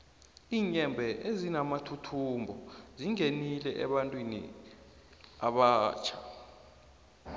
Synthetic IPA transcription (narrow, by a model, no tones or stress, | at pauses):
iːɲɛmbʱɛʔezinamatʰutʰumbʱɔziŋenilɛʔɛ̰ɓantʼwinḭ | a̰ɓaːt͡ʃʰḁ